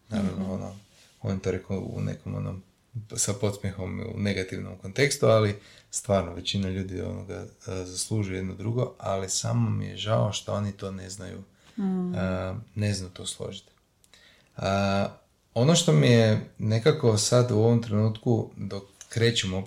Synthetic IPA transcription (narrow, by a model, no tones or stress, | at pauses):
na̰ːɾaʋnoono̰ | o̞njt̪oɾe̞koṵnḛkomo̰no̰m | sapo̞t̪smjexo̞mḭṵne̞ɡat̪iʋno̰mko̞nt̪e̞kst̪ualist̪ʋaːɾnoʋe̞t͡ɕinaʎuːd̪io̰no̰ɡazaslˠuːʒujje̞d̪nod̪ɾuɡo̞alisa̰momḭjḛʒaoʃt̪oo̞nit̪o̞ːne̞znajṵ | əne̞znajut̪o̞slˠo̞̰ʒit̪ | ə | o̞noʃt̪o̞mije̞ne̞kako̞sad̪uo̞ʋomt̪ɾe̞nuːt̪kud̪o̞kːɾe̞ːt͡ʃemo